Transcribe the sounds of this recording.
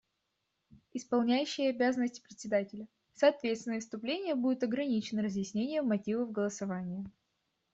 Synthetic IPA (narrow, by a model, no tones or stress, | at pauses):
ɪspɐlˠnʲæjʉɕːɪjəɐbʲazənəsʲtʲɪ̥pɾʲɪt̪ʲsʲɪd̪atʲɪlʲə | sɐːt̪vʲet̪st̪vʲɪnəfst̪ʊplʲenʲɪjəbudʲɪt̪ɐɡɾɐnʲit͡ɕɪnəɾəzjɪsʲnʲenʲɪjəmɐtʲivəvɡəlˠəsɐvanʲɪjə